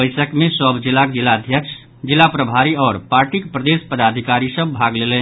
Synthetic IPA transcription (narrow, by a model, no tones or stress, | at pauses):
əjsəkmesəbd͡ʒilakd͡ʒilaəd̪ʱjəksʰ | d͡ʒilːapɾəbʱaɾiɔːɾpaɾʈikpɾəd̪espəd̪ad̪ʱikaɾisəbːʱaɡlelen